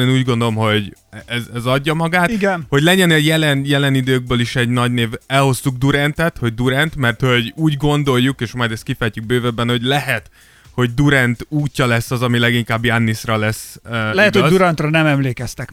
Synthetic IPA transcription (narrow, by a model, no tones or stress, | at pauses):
eːnuːɟɡo̞nd̪olo̞mɦo̞ɟɛzɛzɒɟːɒmɒɡaːt̪iɡɛnho̞ɟlɛɟɛnɛjɛlɛnjɛlɛnid̪øːɡ̚bøːliʃɛɟnɒɟneːvɛlho̞st̪uɡ̚d̪uɾɛnt̪ɛt̪ho̞ɟ̚d̪uɾɛnt̪mɛrt̪ho̞ɟuːɟɡo̞nd̪o̞jːukeːʃmɒjd̪ɛst̪̚kifɛjtyɡ̚bøːvɛbːɛnho̞ɟlɛɦɛt̪ | ho̞ɟd̪uɾɛnt̪uːcʲːɒlɛsːɒzɒmilɛɡiŋkaːbjanːisrɒlɛsːlɛhɛt̪hod̪uɾɛnt̪rɒnɛmɛmleːkɛst̪ɛk